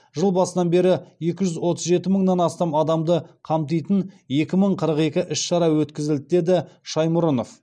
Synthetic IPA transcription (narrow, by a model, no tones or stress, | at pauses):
ʒəlˠbɑsənɑnbe̞ɾɪje̞kʲɪʒʏzwo̞t̪əzʒe̞t̪ɪməɴnɑnɑst̪ɑmɑd̪ɑmd̪əqʰɑmt̪̬ijt̪ən | je̞kʲɪməɴqʰəɾəqe̞kʲɪʔɪʃʃɑɾɑwɵt̪kʲɪzɪld̪ɪd̪e̞d̪ɪʃɑjmʊɾəno̞f